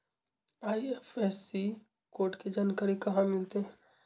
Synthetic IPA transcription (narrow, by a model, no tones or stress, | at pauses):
aːiefeːsːi | koːɾʈked͡ʒankəɾikɐɦãmɪlt̪eɦɛ̃